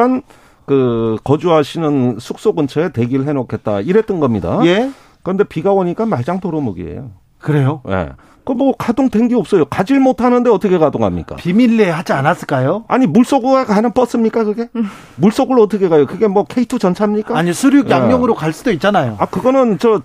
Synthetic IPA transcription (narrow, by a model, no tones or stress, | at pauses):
an | kɯkʌd͡ʑuɦaɕʰinɯnsʰuk̚s͈oɡɯnt͡ɕʰeete̞ɡiɾɯɭɦe̞nokʰe̞t̚t͈a̰iɾet͈ɯnɡʌmɲida̰je | kɯɾʌnde̞piɡaʌɲik͈amaɭd͡ʑaŋtoɾomuɡḭḛjo̰ | kɯɾe̞joje̞̰ | komwʌkadoŋtwe̞nɡiop̚s͈ʌjokad͡ʑiɭmotʰanɯnde̞ʌtʰʌkʰe̞kadoŋɦa̰mɲḭk͈a̰pimilːeɦad͡ʑianas͈ɯɭk͈ajoa̰ɲimuɭs͈oɡɯakanɯnp͈ʌs͈ɯmɲik͈akɯɡe̞ | muɭs͈oɡɯɭʌt͈ʰʌkʰe̞kajokɯɡe̞mwʌkʰe̞itʰut͡ɕʌnt͡ɕʰamɲik͈aaɲisʰuɾjuɡjamjʌŋɯɾokaɭs͈udoit̚t͡ɕ͈anajoakɯɡʌnɯnt͡ɕʌ